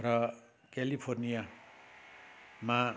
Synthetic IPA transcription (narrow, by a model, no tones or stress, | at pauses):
ɾʌ | kelipʰornija | ma